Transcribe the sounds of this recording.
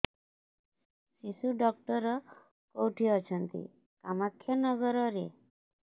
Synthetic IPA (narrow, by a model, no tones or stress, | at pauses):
sisuɖɔk̚ʈɔɾɔ | kowʈʰiɔt͡ʃʰɔnt̪ḭ | kamakʰːjanɔɡɔɾɔɾe